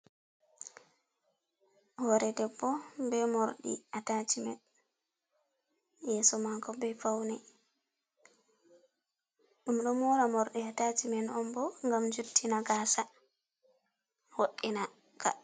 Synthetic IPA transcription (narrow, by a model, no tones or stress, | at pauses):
hɔɾɛdɛbːɔbɛmoɾɗḭatat͡ʃimɛn | jɛsɔmakɔbɛfawnɛ | ɗumɗɔmɔɾamɔɾɗiatat͡ʃimɛnɔmbɔŋɡamd͡ʒutʰːinaɡasa | hoɗːina | ka̰